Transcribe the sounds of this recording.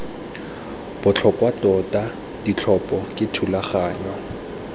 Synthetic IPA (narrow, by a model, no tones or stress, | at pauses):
b̥ʊt͡ɬʰɔpʼwatʼɔtʼa | d̥it͡ɬʰɔpʼɔkʼɪtʰulaχaːɲwa